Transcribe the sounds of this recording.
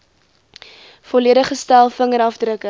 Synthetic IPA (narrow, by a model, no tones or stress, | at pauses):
fɔliədəχəstælˠfəŋəɾɐfdɾəkə